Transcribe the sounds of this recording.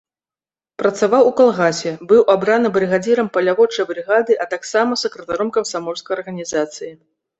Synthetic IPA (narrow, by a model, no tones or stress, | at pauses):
pɾɐt̪savawukalˠɣasʲɛbɨwʔabɾanɨbɾɨɣad͡zʲiɾɐmpɐlʲavɔt͡ʂɐjbɾɨɣad̪ɨʔɐt̪aksamɐsɐkɾɐt̪aɾɔmkɐmsamɔrskɐjɐrɣɐnʲizat̪sɨji